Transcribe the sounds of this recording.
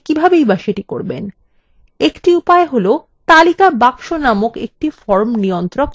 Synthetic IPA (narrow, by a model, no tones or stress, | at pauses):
kibʱabejbaʃeʈikoɾbḛn | ekʈiupaeɦolo | t̪alikabakʃonamokḛk̚ʈifɔɾmnijont̪ɾok